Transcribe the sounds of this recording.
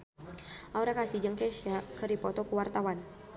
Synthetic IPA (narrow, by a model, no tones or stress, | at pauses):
auɾakasid͡ʒəŋkɛʃakəɾipɔt̪ɔkuwart̪awan